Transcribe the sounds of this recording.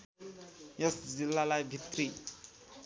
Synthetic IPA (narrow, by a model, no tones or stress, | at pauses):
jʌsd͡zilːalajbʱit̪ri